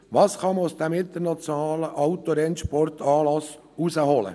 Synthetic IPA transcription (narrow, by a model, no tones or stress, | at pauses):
ʋɑːsχɑməusd̥ɛmɪnt̪əɾnɑt͡sjɔnɑːləʔɑʊt̪oɾɛnʃpɔrtʰɑːlɑs | usəhɔlə̰